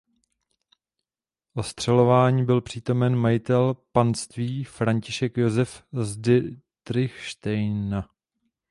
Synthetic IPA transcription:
ʔo̞st̪r̝̥ɛlo̞vaːɲiːbɪlpr̝̥iːt̪o̞mɛnmajɪt̪ɛlpanst̪viːfɾaɲcɪʃɛkjo̞zɛfzdɪt̪ɾɪxʃt̪ɛjna

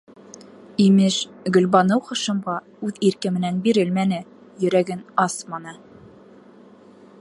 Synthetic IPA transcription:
imɘʃɡɵ̆lbɑnɤwχɤ̆ʃɤ̆mʁɑ | ʉðiɾkɘ̆mɘ̆nænbiɾɘlmænɘ | jɵ̆ɾæɡɘnɑsmɑnɤ

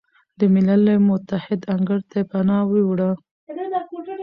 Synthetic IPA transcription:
d̪əmɪlaləmʊt̪ahɪd̪aŋɡəɾt̪ʰepanɑwewɽa

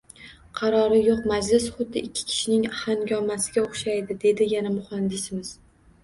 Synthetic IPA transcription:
qʰɑɾɒɾɪjoqmad͡ʒlɪsχʊd̪ːɪɪkʲʰːɪ̥kʲʰɪ̥ʃɪnɪŋhanɡʲɒmːasɪ̥ɡʲaoχʃajd̪ɪd̪e̞d̪ɪjanamʊχand̪ɪsɪmɪz̥

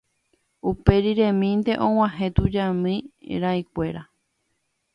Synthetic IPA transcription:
upe̞ɾiɾẽmĩnd̪e̞ʔõw̃ãɦẽt̪ud͡ʒãmɨ̃ɾaikʷe̞ɾa

